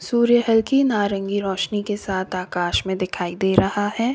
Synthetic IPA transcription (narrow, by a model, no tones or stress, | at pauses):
suːɾjəɦɛlkinaːɾə̃ŋɡiɾɔːʃnikesaːt̪ʰaːkaːʃmẽd̪ɪkʰaːid̪eːɾɐhahɛː